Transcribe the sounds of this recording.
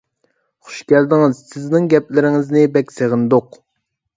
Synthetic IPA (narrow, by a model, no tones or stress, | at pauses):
χʊ̥ʃkʲɛld̪ɪŋɪzsɪznɪŋɡʲɛplɪɾɪŋɪznɪbɛkʲseʁɨnd̪ʊq